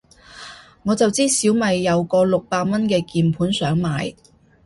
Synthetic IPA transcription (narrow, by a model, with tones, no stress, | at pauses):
ŋɔː˨˧t͡sɐ˨wt͡siː˥siː˨˥wmɐ˨jːɐ˨˧wkɔː˧lʊ˨k̚paː˧mɐ˥nkɛː˧kiː˨npʰuː˨˥nsœː˨˥ŋmaː˨˧j